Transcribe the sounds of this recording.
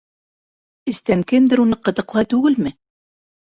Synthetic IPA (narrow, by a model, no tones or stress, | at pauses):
ɘ̆st̪æŋkɘnd̪ɘ̆ɾunɤqɤ̆t̪ɤ̆qlˠɑjt̪ʉɡɘlmɘ